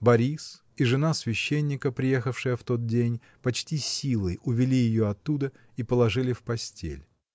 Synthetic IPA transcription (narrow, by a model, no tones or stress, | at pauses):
bɐɾʲis | iʐɨnasvʲɪɕːenʲːɪkəpɾʲɪjexəfʂɨjəft̪o̞t̪̚dʲenʲ | pɐt͡ɕtʲisʲilˠəjʊvʲɪlʲijɪjoɐt̪ːud̪ə | ipəlˠɐʐɨlʲɪfpɐsʲtʲḛlʲ